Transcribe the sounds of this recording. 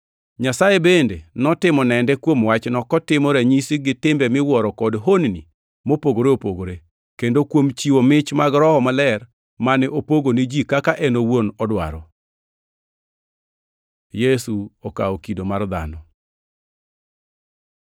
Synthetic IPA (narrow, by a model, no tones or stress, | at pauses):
ɲasajebendenɔtɪmɔnɛndɛkwomwat͡ʃnɔkɔtɪmɔɾɛɲisiɡɪtɪmbɛmɪwɔɾɔkɔdɦonni | mopoɡoɾeopoɡoɾe | kendokwomt͡ʃiwomɪt͡ʃmaɡɾɔhɔmalɛr | manɛʔopoɡonid͡ʒikakaʔɛnowonɔdwa̰ɾɔ | jesuoka̰okidomard̪a̰nɔ